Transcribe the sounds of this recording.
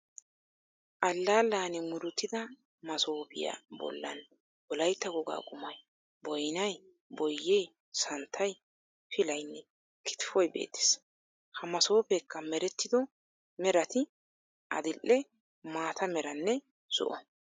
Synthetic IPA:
ʔɐlːaːlːaːnɛmʊɾʊt̪ːɪd̪ɐ | mɐso̞ːpɪ̰ja̰bɔ̰lːɐ̰n | bɔlɐjt̪ːɐɡɔɡa̰ːɡʊmɐj | bɔjnɐj | bɔjːej | sɐnt̪ʰːɐj | pɪlɐjnːɛ | kʰɪ̥t̪ɪ̥fɔjbḛːt̪ːe̥s | hɐmɐso̞ːpɛkʰːɐmɛɾɛt̪ːɪd̪ɔ | mɛɾɐt̪ɪ | ʔɐ̰d̪ɪlːɛ | maːt̪ʰɐmɛɾɐnːɛ | sʊ̰ʔɔ

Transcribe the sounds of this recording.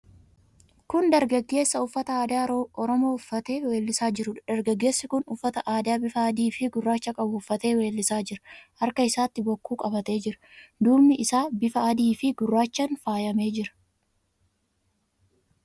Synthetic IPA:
kʊnd̪ɐɾɡɐɡːe̞ːsːɐʊfːɐt̪ɐaːd̪aːɔɾɔmo̞ːʊfːɐt̪e̞ːweːlːɪsaːd͡ʒɪɾʊᶑd̪̥ɐɾɡɐɡːe̞ːsːɪkʊnʊfːɐt̪ɐʔaːd̪aːbɪfɐɐd̪iːfɪɡʊrːaːt͡ʃːɐkʼɐbʊʊfːɐt̪e̞ːwe̞ːlːɪsaːd͡ʒɪɾɐ̥hɐɾkɐɪsaːt̪ːɪbɔkːuːkʼɐbɐt̪e̞ːd͡ʒɪɾɐ̥d̪uːmɪʔɪsaːbɪfɐʔɐd̪iːfɪɡʊrːaːt͡ʃːɐnfaːjɐme̞ːd͡ʒɪɾɐ̥

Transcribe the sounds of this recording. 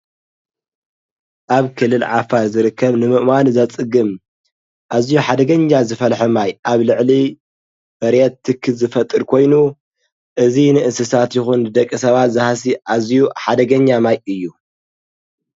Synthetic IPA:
ʔaβkʰɨlːɨlʕafaɾzɨɾɨkʰːɐβnɨmɨʔmanzɐt͡sʼɨɡɨm | ʔazijuħad̪ɐɡɐɲːazɨfɐlħumajʔaβlɨʕli | bɐɾjɛt̪ːɨkʰːɨzɨfɐt̪ʼːɨɾkʰo̞jnu | ʔɨzinɨʔɨnsɨsat̪jɪxunːɨd̪ɐkʼːisɐβat̪zɨhasiʔazjuħad̪ɐɡɐɲːamajɨjːu

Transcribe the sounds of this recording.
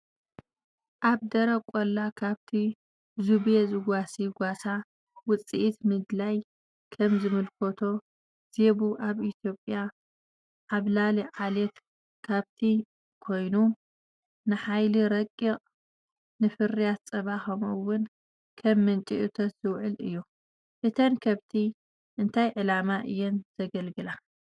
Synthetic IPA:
ʔaβd̪ɐɾɐkʷʼolːakʰaβt̪ʰi | zuβjezɨɡʷasiɡʷasa | wʊt͡sʼḭʔit̪mɨd̪laj | kʰɐmzɨmɨlkʰot̪ʰo̞ | z̥e̞βuʔaβit̪ʰjo̞pʼja | ʕaβlaliʕalet̪ | kʰaβt̪ʰi | kʰo̞jnu | nɨħajliɾɐkʼːiqʼ | nɨfɨrijat̪t͡sʼɐβaxɐmɐwːʊn | kʰɐmːɨnt͡ʃʼiʔɨt̪ʰɐt̪z̥ɨwʕɨlɨjːu | ʔɨt̪ʰɐnkʰɐβt̪ʰi | ʔɨnt̪ʰajʕɨlamaʔɨjːɛnz̥ɐɡɐlɡɨla

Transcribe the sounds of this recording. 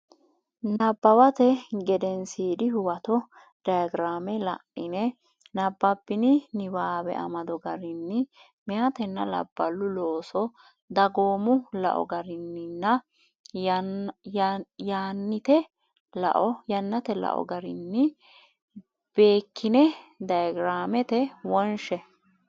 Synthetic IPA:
nɐbːɐwɐt̪ɛɡɛd̪ɛnsiːd̪ɪhʊwɐt̪ɔ | d̥ɐjɐɡɪɾaːmɛlɐ̰ʔɪnɛ | nɐbːɐbːɪnɪnɪbaːbɛ̰ʔɐ̰mɐd̪ɔɡɐɾɪnːɪ | mɛjɐt̪ɛnːɐ̰lɐ̰bːɐlːʊlo̞ːsɔ | d̪ɐɡo̞ːmʊlɐ̰ʔɔ̰ɡɐɾɪnːɪnːɐ | jjaːnːɪt̪ɛ | lɐ̰ʔɔjɐnːɐt̪ɛlɐ̰ʔɔ̰ɡɐɾɪnːɪ | b̥e̞ːkːɪnɛd̪ɐjɐɡɾaːmɛt̪ɛwɔnʃɛ

